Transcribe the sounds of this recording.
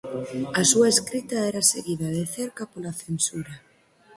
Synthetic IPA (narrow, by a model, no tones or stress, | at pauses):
asuaeskɾit̪aeɾaseɣiðaðeθeɾkapolaθensuɾa